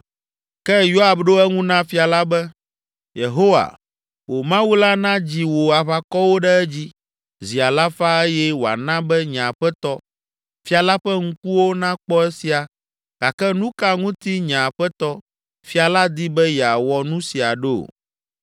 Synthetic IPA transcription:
kɛ˦jo˦a˨bɖo˦ɛ˦ŋũ˦nã˦fi˨a˨la˦bɛ˦ | je˨ɦo˦wa̰˨ | wo˨mã˦wu˦la˦nã˦d͡ʑi˨wo˨a˨βa˨kɔ˦wo˦ɖɛ˦ɛ˦d͡ʑi˦ | zi˨a˨la˦fa˦ɛ˦jɛ˦wo˨a̰˨nã˦bɛ˦ɲã˨ɸɛ˦t̪ɔ˦ | fi˦a˨la˦ɸɛ˦ŋ̩˦ku˦wo˦nã˦k͡pɔ˦ɛ˦si˨a˨ | ka˨kɛ˦nũ˦ka˦ŋũ˦t̪i˦ɲã˨ɸɛ˦t̪ɔ˦ | fi˦a˨la˦d̪i˦bɛ˦jɛ˨a˨wɔ˨nũ˦si˨a˨ɖḛ˦˨

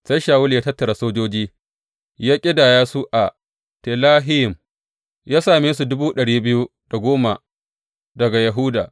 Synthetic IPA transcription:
sa˦jʃaː˨wʊ˦ljaː˦tɐ˦tːɐ˨ɾa˨soː˦d͡ʒoː˦d͡ʒiː˦ | jaː˦kʲʼɪ˦daː˨jaː˦su˦ʔa˨ | te˨laː˦ɦɪ˦jɪ˨m | jaː˦saː˨meː˦su˨dʊ˦buː˦ɗɐ˨ɽiː˦bɪ˦ju˦ | d̥a˨ɡʷoː˦ma˨ | dɐ˨ɡa˨jɐ˨ɦʊ˦da̰ː˨

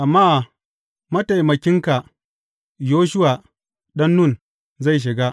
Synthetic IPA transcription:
ʔa˨mːaː˦˨ | mɐ˦ta˨jmɐ˨kʲɪ˦ŋka˨ | joː˦ʃ̬ʊ˦waː˨ | ɗɐ˦nːʊ˦˨n | za˦˨jʃ̬ɪ˨ɡa˦

